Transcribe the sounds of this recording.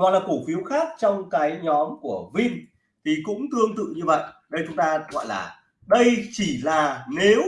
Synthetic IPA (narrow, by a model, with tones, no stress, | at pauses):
a˨˩laː˨˩ko˧˩fi˨˦əwxaː˦˥k̚t͡ɕɔ˧wŋ͡mkaː˨˦jɲɔ˨˦mku˧˩əvi˧n | t̪ʰi˨˩kʊ̰˧˥ŋ͡mt̪ɨ˧əŋt̪ɨ̰˧˨ɲɨ˧və̰˧˨jʔɗə˧jt͡ɕʊ˨˦ŋ͡mt̪aː˧ɣɔ̰˧˨jlaː˨˩ | ɗə˧jt͡ɕi˧˩laː˨˩ne˨˦w